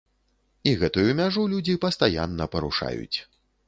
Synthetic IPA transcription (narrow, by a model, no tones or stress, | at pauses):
iɣɛt̪ujumʲaʐulʲud͡zʲipɐst̪aja̰nːɐpɐɾuʂa̰jṵt͡sʲ